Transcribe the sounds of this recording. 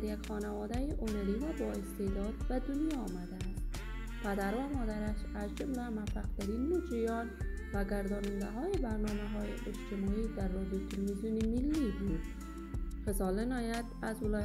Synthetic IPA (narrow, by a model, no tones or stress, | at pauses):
ɾjakʲχɒnavɒd̪ajiʔʊnaɾivabɒest̪ed̪ɒd̪̚bad̪ʊnjɒːmad̪and̪ | pʰæd̪aɾvamɒd̪aɾaʃ | azd͡ʒʊmlamafaq̚t̪ʰaɾinːod͡ʒijɒn | vaɡaɾd̪ɒnɪnd̪aɦɒjibaɾnɒmaɦɒjɪ̰ʔed͡ʒt̪ʰɪmɒid̪aɾːɒd̪ijot̪ʰɪlvizjunimilːibud̪ | χɪzɒlɪnɒjat̪azvʊlɒ